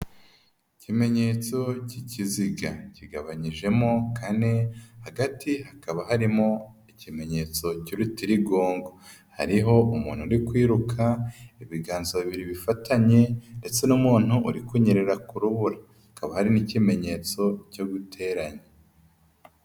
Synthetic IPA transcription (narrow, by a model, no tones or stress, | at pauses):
icime̞ɲe̞ːt͡so̞ciciziɡaciɡaβaɲiʒe̞mo̞kʰane̞haɡatihakaβahaɾimo | icime̞ɲe̞t͡so̞ciɾutiɾiɡoːŋɡo | ha̰ɾiɦo̞umṵːn̥huɾikwiːɾukʰaiβiɡaːnzoβiβiɾiβifatʰaɲe̞nde̞t͡se̞numuːn̥huːɾikwuɲeɾeɾakuɾuβuɾa | hakaβahaɾinicime̞ɲe̞t͡so̞co̞ɡutʰe̞ɾaɲe